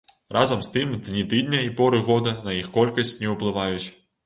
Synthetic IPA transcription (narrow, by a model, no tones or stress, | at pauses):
rʔɑzɐmst̪ɪmd̪nʲit̪ɪd̪ʲnʲɐipɔɾɪɣɔd̪ɐnɐjixkɔlʲkɐsʲtʲnʲɛʊplˠɪʋɑjʊt͡sʲ